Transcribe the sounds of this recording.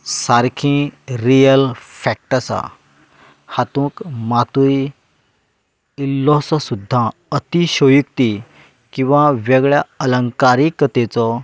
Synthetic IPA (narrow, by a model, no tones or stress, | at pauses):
saɾkʰĩɾijəlfɛk̚ʈasa̰ | hat̪ũːkmat̪uj | ilːɔsɔsud̪ʱːãət̪iɕojuk̚t̪i | kĩw̃ʋaʋɛɡɭjaələŋkaɾikət̪et͡sɔ